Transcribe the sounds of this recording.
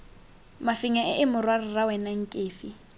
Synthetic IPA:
mafiŋaʔɪʔɪmʊrwarɪrawɛnaŋ̩kʼeːfi

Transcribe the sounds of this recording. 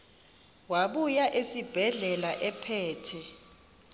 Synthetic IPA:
waɓujaʔesib̥ʱɛɮɛlaʔɛpʰɛːtʰɛ

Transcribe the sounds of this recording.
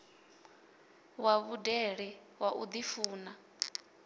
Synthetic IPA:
waβudɛɺi | waʔud̪ifuːna

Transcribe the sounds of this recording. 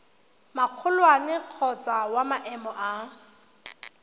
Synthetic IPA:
maq͡χʰʊlwanɪq͡χʰɔt͡sʼawamaʔɛmɔʔa

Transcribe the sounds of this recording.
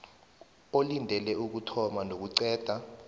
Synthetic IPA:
olindʱɛlɛuk̬utʰɔmanok̬uǀɛːd̥ʱa

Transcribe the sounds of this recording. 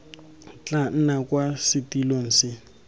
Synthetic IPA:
t͡ɬʼan̩nakʼwasɪtilon̩sɪ

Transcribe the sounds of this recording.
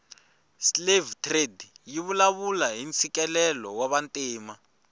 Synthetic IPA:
slevtʰredjiβulaβulaɦint͡sʰikɛlɛlɔwaβantʼiːma

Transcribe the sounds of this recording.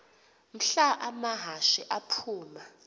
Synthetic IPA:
m̩ɬaʔamaɦaʃiʔapʰuːma

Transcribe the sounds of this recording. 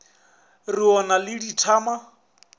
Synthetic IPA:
riɔnalɪditʰaːma

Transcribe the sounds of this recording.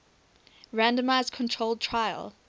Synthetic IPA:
ɹæ̃ndə̃maɪzkʰɔ̃ntʰɹ̥olˠd̚tʰɹaɪə̰lˠ

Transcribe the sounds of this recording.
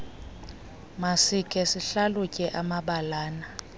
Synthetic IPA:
masikʼɛsiɬalukʼɛʔamaɓalaːna

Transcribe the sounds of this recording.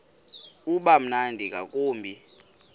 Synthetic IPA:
uɓam̩nandʱik̬ʼak̬ʼuːmbʱi

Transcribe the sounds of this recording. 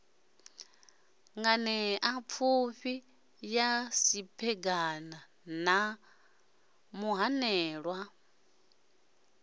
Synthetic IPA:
ŋɡanɛap̪fʰuɸi | jasipʰɛɡana | na | muɦanɛːɺwa

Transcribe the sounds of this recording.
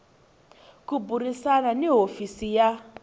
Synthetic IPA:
kubʱuɾisananeɦofisija

